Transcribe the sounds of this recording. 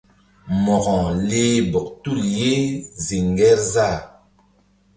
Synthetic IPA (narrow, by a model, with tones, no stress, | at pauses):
mɔ˨ɣɔ̃˨leː˦bɔ˨k̚tu˦˨lje˦zi˨ŋɡɛ˦ɾza˦˨